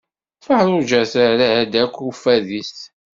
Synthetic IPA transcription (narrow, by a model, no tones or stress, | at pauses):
fəħɾˤʊʒæθaɾæhæd̪ækʷːufæðis